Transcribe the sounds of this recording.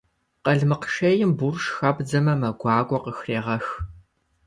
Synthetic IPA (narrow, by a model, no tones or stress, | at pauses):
qɐɮmɨqʃɐjɪmburʃxɐbd͡zɐmɐmɐɡʷɑːɡʷɔqəxreːʁɐx